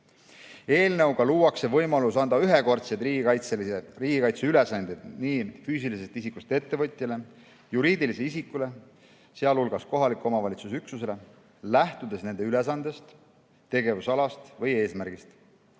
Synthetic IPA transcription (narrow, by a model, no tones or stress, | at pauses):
e̞ːlnewɡɑluːɑkse̞vɤjmɑlusɑnd̪̥ɑyɦe̞ko̞rt̪set̪iːɡɑjt̪selriːɡ̥ikɑjt̪seyle̞sɑnd̪̥ed̪niːfyːs̬iliset̪isikːˑust̪ee̞t̪ːe̞vɤt̪ʲˑjɑle̞ | juɾiːd̪iliseisikːˑule̞ | se̞ɑlulɡ̥ɑsko̞ɦɑlikːˑo̞mɑvɑlʲit̪susyksuse̞le̞ | læht̪ud̪e̞sne̞nd̪eyle̞s̬ɑnd̪̥e̞st̪ | t̪e̞ɡe̞vusɑlɑst̪vɤje̞ːsmæɾɡ̥ist̪